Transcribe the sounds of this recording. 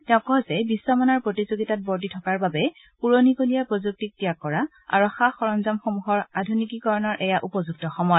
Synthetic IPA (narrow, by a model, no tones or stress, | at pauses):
tɛʊ̃kːɔɦɔzɛbisːɔmɔnaɹpɹotizoɡitat̚bɔɹditʰɔkaɹbabɛ | puɹonikolijapɹozuk̚tik̚tijakːɔɹa | a̰ɹɔxaxɔɹɔmzamxomuɦɔɹadʱunikikɔɹɔnɔɹʔɛjaʔupɔzuɡ̚tɔxɔmɔjɔ